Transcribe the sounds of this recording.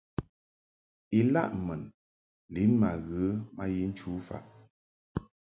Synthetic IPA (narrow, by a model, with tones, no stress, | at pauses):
i˨la̰˦ʔmə˨n | li˨˦nma˨ɣə˨˦ma˦ji˦n̩˦t͡ʃu˨˦fa̰˨ʔ